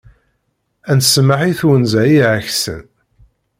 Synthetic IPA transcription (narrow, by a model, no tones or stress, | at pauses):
ænsməħiθwənzæjiʕəçsə̰n